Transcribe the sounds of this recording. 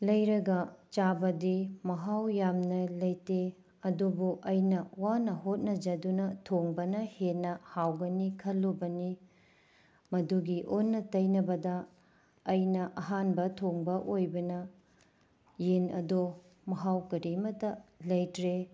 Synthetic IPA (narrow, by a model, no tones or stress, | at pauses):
lɐjɾɐɡɐt͡ʃabɐdimɐɦawjamnɐlɐjte | ɐdubuʔɐjnɐwanɐɦot̚nɐd͡ʒɐdunɐtʰoŋbɐnɐhenːɐhawɡɐnikʰɐlːobɐni | mɐduɡiʔonnːɐtɐjnɐbɐdɐː | jnɐʔɐɦanbɐtʰoŋbɐʔojbɐnɐ | jenɐ̰do | mɐɦawkɐɾimɐtɐlɐjtɾe